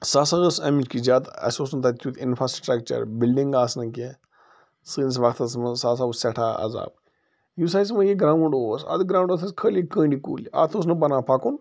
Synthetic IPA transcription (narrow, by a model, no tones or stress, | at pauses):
sasɐɣəsɐmit͡ʃkizʲaːd̪ɐ̰soːsnt̪ʰɐt̪ʰjut̪ʰinfɾasʈɾɐk̚t͡ʃɐ̰ɾbilɖiŋɡaːsnɐke | sɨns̬ʋɐkt̪ʰɐsmɐsaːs̬abusɛʈʰaːɐ̰za̰ːb̚ | jus̬aːis̬mɐjiɡɾaːuɳɖoːsɐ̰d̪ɨɡɾaːw̃ɳɖosɐskʰəlikə̃ːɳɖikṵːlia̰ːt̪ʰos̬nɨbɐnãːpʰakun